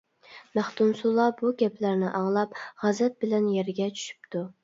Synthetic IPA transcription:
mæχt̪umsulˠɑbuɡʲɛpʰlæɾnɪʔɑŋlˠɑpʁæzɛt̪̚bɪlɛnjɛɾɡʲɛt͡ʃʰy̥ʃy̥pt̪ʰu

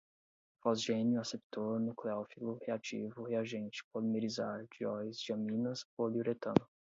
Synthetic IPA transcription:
fɔzʒẽnjʊasep̚t̪oɾnukleɔfilʊheat͡ʃḭvʊheaʒẽnt͡ʃɪ̥polimeɾizaɾd͡ʒiɔjzd͡ʒiɐ̃mĩnɐsoliuɾet̪ɐ̃nʊ

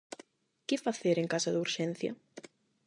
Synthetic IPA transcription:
kɪfaθeɾeŋkasaðuɾʃenθjɐ̰

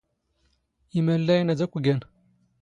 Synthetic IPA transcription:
imælːæjnæd͡zækʷːɡæn

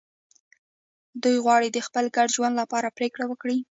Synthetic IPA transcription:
d̪ujɣwɑɽid̪əxpəlɡaɖʒwand̪lapɑɾapɾekɽawəkɽi

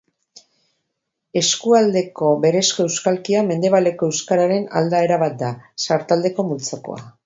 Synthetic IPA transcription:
e̞skuald̪e̞ko̞βe̞ɾe̞sko̞e̞wskalkiame̞nd̪e̞βale̞ko̞e̞wskaɾaɾe̞na̰ld̪ae̞ɾaβat̪̚d̪asaɾt̪ald̪e̞ko̞mult͡soko̞̰a̰

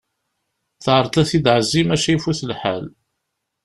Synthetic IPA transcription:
θʕəɾˤt̪æθid̪ʕəzːimæʃæjifuθəlħa̰l

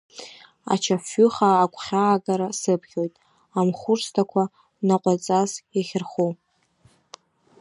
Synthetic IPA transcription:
a̰t͡ʃʰafʏχaːkʷʰχʲaːɡaɾasɨpʰχʲo̞jtʼ | amχʷʊrstʰakʷʰa | naqʷʼat͡sʼazjaχʲɪrχu

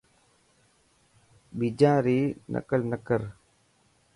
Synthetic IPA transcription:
bid͡ʒãːɾiːnʔə̰kəlnəkəɾ

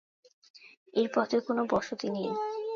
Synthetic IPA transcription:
eɾpɔt̪ʰekonobɔʃot̪inij

